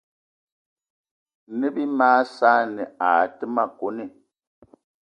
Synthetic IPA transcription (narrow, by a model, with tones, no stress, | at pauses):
nə˦bi˦maː˦saː˦nɛ˨aː˨tə˦ma˦ko˨˦ne˦˨